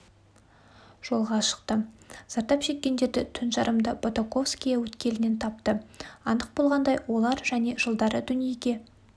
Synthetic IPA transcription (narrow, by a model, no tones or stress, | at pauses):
ʒ̥o̞lˠʁɑʃə̥qt̪əz̥ɑɾt̪ɑpʃe̞kʲːe̞nd̪e̞ɾd̪ɪt̪ʰʏnʒɑɾəmd̪əbot̪oko̞fskʲijɑwɵt̪kʲe̞lɪne̞nt̪ʰɑp̚t̪əɑnd̪əq̚bo̞lˠʁɑnd̪ɑjwo̞lˠɑɾʒæne̞ʒəlˠd̪ɑɾəd̪ʏnijeɡʲe̞